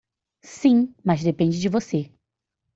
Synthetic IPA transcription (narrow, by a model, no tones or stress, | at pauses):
sĩmɐzd̪epẽd͡ʒɪd͡ʒɪvose